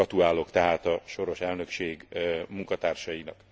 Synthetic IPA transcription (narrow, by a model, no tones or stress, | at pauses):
ɒt̪uaːlo̞kt̪ɛɦaːt̪ɒʃo̞ɾo̞ʃɛlnø̞kʃeːɡmuŋkɒt̪aːrʃɒjinɒk